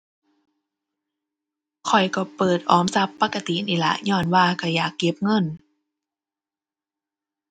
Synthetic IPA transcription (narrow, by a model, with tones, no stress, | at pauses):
kʰɔ˨˩jkɔ˧˩pɤː˨˩t̪̚ʔɔː˨˦msa˧˦˥pːa˧˥kːa˧t̪i˨niː˨˩˨la̰˧˦ʔɲɔː˧˩nwaː˧˩ka˧˩jaː˨˩kːe˧˦˥p̚ŋɤ˧˥˨n